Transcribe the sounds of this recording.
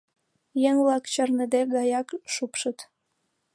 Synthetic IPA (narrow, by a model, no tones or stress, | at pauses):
jəŋvlɑkt͡ɕərnəd̪eɡɑjɑkʃupʃət̪